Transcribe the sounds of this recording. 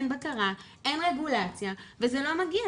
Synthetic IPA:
nbakaʁa | ʔe̞nʁe̞ɡulat͡sjavezelo̞maɡia

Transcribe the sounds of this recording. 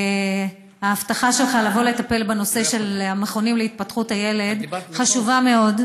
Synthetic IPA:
haːftaχaʃelχalavo̞le̞t̪ape̞lbeno̞se̞ʃe̞lameχo̞nimleit̪̚patχuthaje̞le̞dχaʃuvame̞o̞d

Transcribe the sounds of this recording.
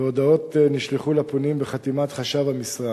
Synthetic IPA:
o̞d̪ao̞t̪niʃleχulaponimbeχat̪imat̪χaʃavhamisʁa

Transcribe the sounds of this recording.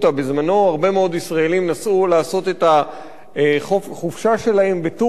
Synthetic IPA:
t̪abezmano̞aʁbe̞meo̞d̪isʁaelimnasʔulaːso̞t̪e̞ta | χoχufʃaʃe̞lahe̞mbetu

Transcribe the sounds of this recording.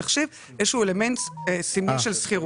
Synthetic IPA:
aχʃiv | jeʃuːelementsimuʃelsχiʁ

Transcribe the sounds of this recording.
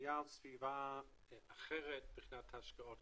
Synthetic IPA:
jalˠsviːvaː | ɛaχɛɾət̚dʊχnatʰaʃkəɔd

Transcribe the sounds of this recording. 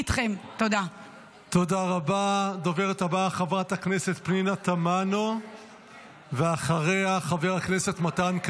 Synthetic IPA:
tχemt̪od̪a | t̪o̞daʁabad̪o̞veʁet̪abaχavʁatakne̞se̞t̪pninatamano̞ | veaχaʁe̞jaχaveʁaknese̞tmatank

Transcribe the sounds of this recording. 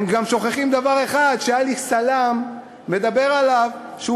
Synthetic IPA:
emɡamʃo̞χeχimd̪avaʁe̞χad̪ʃejalisalamː | e̞d̪abe̞ʁalavʃeu

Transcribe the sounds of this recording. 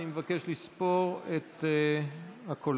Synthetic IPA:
imevake̞ʃlispo̞ʁet̪ | hakʰol

